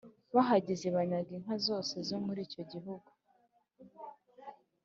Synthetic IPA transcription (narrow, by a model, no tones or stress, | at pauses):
βaɦaɟizeβaɲaɡiŋ̥hazo̞ːse̞zo̞muɾiːco̞ɟiɦuɡu